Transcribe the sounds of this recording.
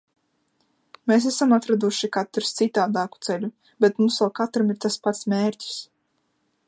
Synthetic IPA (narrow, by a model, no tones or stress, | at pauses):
meːs̬æsamat̪ɾad̪uʃikat̪ɾst̪sit̪aːd̪aːku̥t̪sɛʎu | bɛt̪mumsalkat̪ɾamiɾt̪aspat̪smʲeːɾʲcʲi̥s